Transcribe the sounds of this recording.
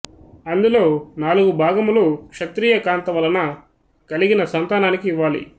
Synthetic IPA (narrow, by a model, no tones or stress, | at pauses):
ɐnd̪ulo̞ːnaːluɡubʱaːɡɐmulukʂɐt̪ɾiːjɐkaːnt̪ɐʋɐlɐnɐ | kɐliɡinɐsɐnt̪aːnaːnikiːʋːaːlḭ